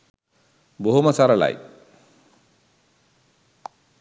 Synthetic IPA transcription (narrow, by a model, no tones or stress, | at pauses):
boɦumasaɾɐla̰j